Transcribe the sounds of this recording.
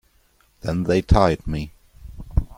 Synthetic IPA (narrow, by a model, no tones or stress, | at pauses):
ðɨ̃nðeɪtʰaɪd̚mi